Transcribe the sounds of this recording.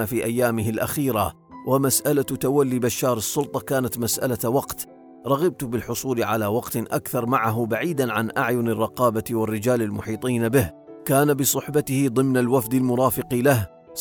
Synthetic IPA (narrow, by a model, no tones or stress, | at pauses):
afiːʔajːaːmɪɦɪlʔa̰xiːɾa | wʔamasʔalat̪awalːibaʃːɑːɾˤɨsˤːʊlt̪ˤɑkaːnat̪masʔa̰lawɑqt̪ | ɾˤɑɣɪb̚t̪bɪlħʊsˤuːlʕalawɑqt̪ʔa̰kθɑɾˤmaʕaɦʊbaʕiːd̪anʕanʔa̰ʕjʊnɪrˤːɑqɑːbawɪrːɪd͡ʒaːlalmʊħiːt̪ˤiːnabɪh | kaːnabɪsˤʊħbat̪ɪhɪd̪ˤɨmnalwafd̪almʊɾˤɑːfɪqlah